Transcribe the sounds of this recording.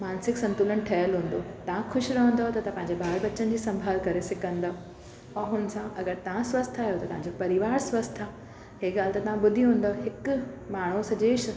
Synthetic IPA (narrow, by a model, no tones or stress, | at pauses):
maːnsɪksɐ̃nt̪ulənʈʰɐjəlɦũːn̆d̪oːt̪ɐʋ̤ãxʰʊʃɾɐɦə̃nd̪ot̪ɐt̪ɐpɐ̃ɦɪ̃ɲd͡ʑebaːɾbɐt͡ɕənd͡ʑiːsɐ̃mbʱaːlkɐɾesɪkə̃nd̪aɦo | ɛ̃ːɦʊnsãʔɐɡəɾt̪ɐʋ̤ãsʋɐst̪ʰaːɦijot̪ɐt̪ɐ̃ɦãɲd͡ʑopɐɾɪʋaːɾsʋɐst̪ʰã | ɦeːɡaːlt̪ɐt̪ɐʋ̤ãɓʊd̪ʱiɦũːn̆d̪oɦɪkmaːɳ̤usɐd͡ʑeːʃ